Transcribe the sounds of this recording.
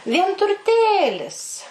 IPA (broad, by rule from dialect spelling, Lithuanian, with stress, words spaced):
ʋʲiɛntʊrʲˈtʲeːlʲɪs